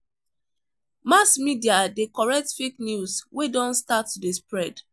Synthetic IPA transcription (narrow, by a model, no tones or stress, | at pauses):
masmidiadekɔɹɛk̚tfeknjuswedɔ̃nstatːdespɹɛd̥